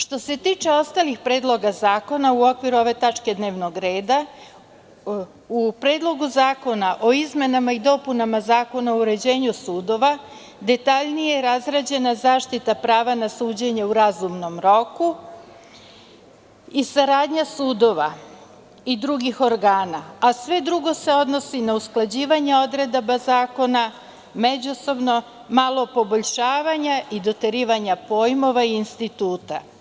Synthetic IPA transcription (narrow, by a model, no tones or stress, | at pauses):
ʃt̪o̞se̞t̪iːt͡ʃe̞o̞st̪alixpɾeːd̪lˠo̞ɡazaːko̞nauo̞kʋiɾuo̞ʋe̞t̪at͡ʂke̞d̪ne̞ːʋno̞ɡɾe̞ːd̪a | upɾe̞ːd̪lˠo̞ɡuzaːko̞naʔo̞izme̞namaid̪o̞punamazaːko̞naouɾe̞d͡ʑe̞ːɲusuːd̪o̞ʋa | d̪e̞t̪aʎnijeɾazɾad͡ʑe̞nazaːʃt̪it̪apɾaːʋanasuːd͡ʑe̞ɲauɾazumno̞mɾo̞ku | isaɾaːd̪ɲasuːd̪o̞ʋa̰ | id̪ɾuɡixo̞ɾɡaːnaasʋe̞d̪ɾuɡo̞se̞o̞d̪no̞sinausklˠad͡ʑiːʋaɲeo̞d̪ɾe̞d̪abazaːko̞na | me̞d͡ʑuso̞bno̞ | malˠo̞po̞boʎʃaːʋaɲaid̪o̞t̪eɾiːʋaɲapo̞ːjmo̞ʋaiinst̪it̪uːt̪a̰